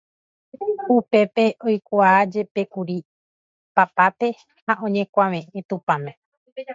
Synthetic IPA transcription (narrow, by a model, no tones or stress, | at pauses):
upe̞pe̞ʔojkʷad͡ʒe̞pe̞kuɾi | papat̪e̞ | haʔõ̞ɲẽ̞kʷaʋẽ̞ʔẽ̞t̪ũpãmẽ